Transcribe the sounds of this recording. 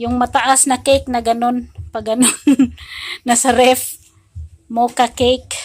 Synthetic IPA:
jʊŋmɐt̪aʔasnɐkejk̚nɐɡɐnonpɐɡɐnonː | ɐsaɾɛf | mokakejk

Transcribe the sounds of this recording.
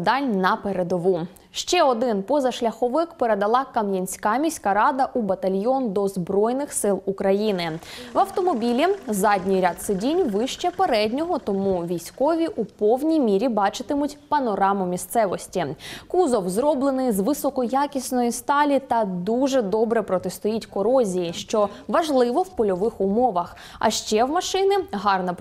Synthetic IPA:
d̪ɑnʲnɐpeɾed̪ɔʋu | ʃt͡ʃɛɔd̪ɪnpɔzɐʃlʲɐxɔʋɪkpeɾe̞d̪ɐlˠɑkɐmjɐnʲsʲkɑmʲisʲkɐɾɑd̪ɐʔubɐt̪ɐlʲjɔnd̪ɔzbɾɔjnɪxsɪlˠukɾɐjinɪʋɐwt̪ɔmɔbʲilʲizɑdʲnʲijɾʲat̪sɪdʲinʲʋɪʃt͡ʃɛpeɾɛdʲnʲɔɦɔt̪ɔmuʋʲijsʲkɔʋʲiʔupɔwnʲijmʲiɾʲibɑt͡ʃɪt̪ɪmʊtʲpɐnɔɾɑmʊmʲist̪sɛʋɔsʲtʲikuzɔwzɾɔblˠenɪjzʋɪsɔkɔjakʲisʲnɔjist̪ɑlʲit̪ɐd̪uʒɛd̪ɔbɾɛpɾɔt̪est̪ʊjitʲkɔɾɔzʲijiʃt͡ʃɔʋɐʒlˠɪʋɔwpɔlʲɔʋɪxʊmɔʋɐx | ɐ̰ʃt͡ʃɛwmɐʃɪnɪɦɑrnɐ

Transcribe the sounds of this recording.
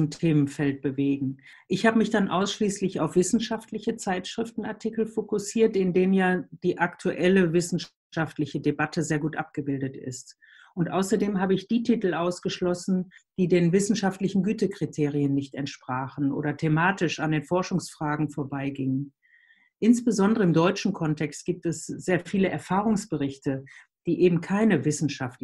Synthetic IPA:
mtʰeːmənfɛlt̚b̥əveːɡŋ̩ | ʔɪçhaːbəmɪçd̥anʔaʊsʃliːslɪçaʊfv̥ɪsn̩ʃaftlɪçət͡saɪtʃʁ̥ɪftn̩aɐtʰikl̩fokʊsiːɐtɪndeːmnjaːd̥iːʔaktʰuʔɛləvɪsn̩ʃ | aftlɪçədebatʰəzeːɐɡuːtʔap̚ɡ̥əbɪldətɪ̰st | ʔʊntʔaʊsɐdeːmɦaːbəɪçd̥iːtʰiːtl̩ʔaʊsɡ̥əʃlɔsn̩d̥iːdeːnvɪsn̩ʃaftlɪçn̩ɡyːtəkʁ̥itʰeːʁ̞ijənːɪçtɛntʃpʁ̥aːχn̩ʔo̰ːɾɐtʰemaːtɪʃandeːnfɔɐʃʊŋsfʁ̥aːɡŋ̩foːɐbaɪɡɪŋən | ʔɪnsb̥əzɔndəʁəɪmdɔʏt͡ʃn̩kʰɔntʰɛkst̚ɡ̥iːp̚tɛsz̥eːɐfiːləʔɛɐfaːʁʊŋsb̥əʁɪçtə | d̥iːʔeːbm̩kʰaɪnəvɪsn̩ʃaft

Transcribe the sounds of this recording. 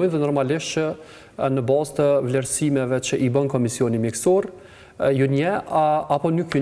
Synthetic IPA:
ɔjnðɛnɔɾmalɪʃt͡ʃə | nəbɑzt̪əvlɛɾsimɛvɛt͡ʃəʔibənkɔmisiɔnimjɛksɔɾ | juɲɛapɔnykː

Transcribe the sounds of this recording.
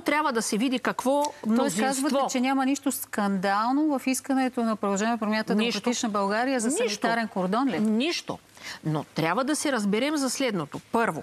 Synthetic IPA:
t̪ɾʲabvəd̪ɐsɛvid̪ikɐkvɔmnoɛszkazsvɐt̪vɛot͡ʃɛnʲamɐniʃt̪oskɐnd̪alˠnovɐfiskɐnɛt̪onɐpɾod̪ɐlˠʒɛniɛpɾomʲant̪ɐnɾt̪it͡ʃnɐbɐlˠɡaɾijəzɐskitt̪aɾɛnkoɾd̪ɔnlɛniʃt̪o̰not̪ɾʲabvəd̪ɐsɛɾɐzbɛɾɛmzɐslɛd̪not̪opɤɾvo̰

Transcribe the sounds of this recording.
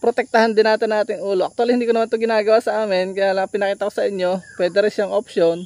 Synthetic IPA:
pɾot̪ɛk̚t̪ɐhand̪ɪnaːt̪ɪnɐʔaːt̪ɪŋuːloʔɐk̚t̪walihɪnd̪iːkonɐmant̪oɡɪnaːɡɐwaːsɐʔaːmɪnkɐjaːlɐŋɐpɪnɐkiːt̪ɐkosɐʔɪɲjo̞pwɛːd̪ɛɾɪnʃjaŋʔopʃjon

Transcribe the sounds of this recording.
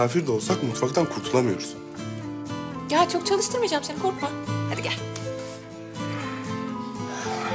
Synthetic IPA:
aːfiɾd̪ɛo̞lˠsakmut̪fakt̪ʰankʰuɾt̪ʰulˠamɯjo̞ɾsun | jaːt͡ʃʰo̞kt͡ʃʰalˠɯʃt̪ɯɾmɯd͡ʒamsenikʰoɾkmahɛd̪iɡʲæ

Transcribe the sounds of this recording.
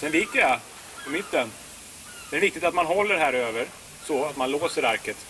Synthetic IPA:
sɛnvɪkːəja | pʰɔmɪt̪ːən | d̪ɛæɾvɪk̚t̪ɪkt̪at̪manɦɔlːəɾɦæːɾøːvəɾ | sɔat̪manloːsəɾaɾkət̪

